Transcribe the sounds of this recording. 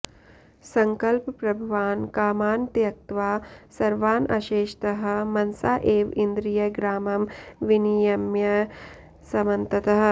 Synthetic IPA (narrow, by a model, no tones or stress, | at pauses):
sɐŋkɐlppɾɐbʱuʋaːnkaːmaːnt̪jɐk̚t̪ʋaːsɐɾʋaːnɐ̰ʃeːʃt̪ɐɦɐ̆mɐnsaːʔeːʋind̪ɾijɐɡɾaːmɐmʋinijɐmjɐ | sɐmɐnt̪ɐt̪ɐɦɐ̆